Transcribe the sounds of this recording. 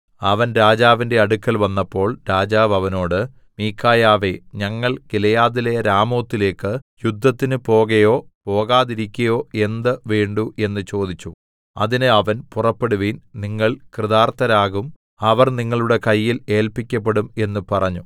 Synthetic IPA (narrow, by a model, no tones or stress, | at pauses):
ɐʋɐnɾaːd͡ʑaːʋinde̞ɐɽukːɐlʋɐnːɐpːo̞ːɭɾaːd͡ʑaːʋɐʋɐno̞ːɽɨ | miːkʰːaːjaːʋe̞ɲɐŋːɐɭkilɐjaːðilɐjɐɾaːmo̞ːt̪ːile̞ːkːɨjud̪ʱːɐt̪ːinɨpo̞ːɣɐjo̞ːpo̞ːɣaːðiɾikʲːɐjo̞ːe̞nd̪ɨʋeːɳɖuʔe̞nːɨt͡ɕo̞ːd̪it͡ɕːu | ɐðinɨɐʋɐnpurɐpːe̞ɽuʋiːnniŋːɐɭkrɨðaːrt̪ɐɾaːɣum | ɐʋɐrniŋːɐɭuɽe̞kɐjːile̞ːlpikʲːɐp̬ːe̞ɽume̞nːupɐrɐɲːu